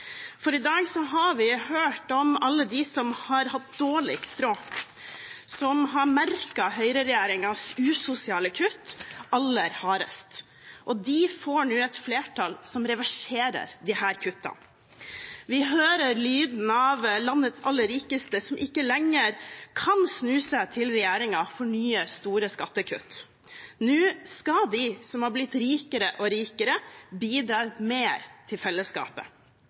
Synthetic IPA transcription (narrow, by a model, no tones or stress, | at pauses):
fɔɾɪd̪ɑːɡsɔɦɑʋɪhøːʈɔmɑlːəd̪ɪsɔmhɑɾhɑt̪̚d̪oːɭɪkst̪ɾoː | sɔmɦɑɾmæɾkɑhœʏɾəɾɛjeːɾɪŋɑsʉːsʊsɪɑːləkʰʉt̪ːɑlːəɾhɑːɾə̰st̪ | ʔɔd̪ɪfoɳuːɛt̪fleːʈʰɑlsɔmɾɛʋæʂeːɾə̰ɾd̪ɪhæːɾkʰʉt̪ːɑ̰ | ʋɪɦøːɾəɾlyːd̪n̩ɑʋlɑnːət̪sɑlːəɾiːkəst̪əsɔmʔɪkːəlɛŋːəɾkʰɑnsnʉːsət̪ʰɪlɾɛjeːɾɪŋɑfɔɳyːəst̪uːɾəskɑt̪ːəkʰʉ̰t̪ː | nʉːskɑd̪ɪsɔmhɑblɪt̪ɾiːkəɾəʔɔɾiːkəɾəbiːd̪ɾɑːmeːɾt̪ʰɪlfɛlːəskɑ̰ːpə̰